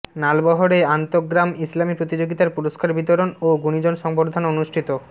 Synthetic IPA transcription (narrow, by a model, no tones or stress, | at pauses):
nalbɔɦoɾeant̪oɡɾamislamipɾot̪id͡ʑoɡit̪aɾpuɾoskaɾbit̪oɾonoɡunid͡ʑonʃɔŋboɾd̪ʱanonuʃʈʰit̪o